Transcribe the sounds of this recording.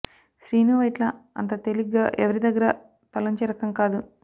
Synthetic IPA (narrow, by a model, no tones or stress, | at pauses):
ʃɾiːnuʋɐjʈlɐɐ̰nt̪ɐt̪eliaːʔɛʋɐɾid̪ɐɡːɐɾɐ | t̪ɐlɐɲt͡ʃeːɾɐkɐŋkaːd̪u